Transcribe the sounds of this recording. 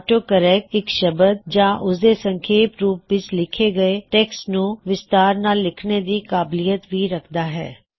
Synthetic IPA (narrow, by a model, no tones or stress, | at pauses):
ʈoːkəɾɛːk̚ɪkʃəbəd̪̚d͡ʒãːʔʊsd̪esə̃ŋkʰeːpɾuːpːʋɪt͡ʃlɪkʰeɡɐeʈɛːksnũʋɪst̪aːɾnaːlːɪkʰned̪iːkaːblijət̪ʋiɾɐkʰd̪aːɦɛ̰ː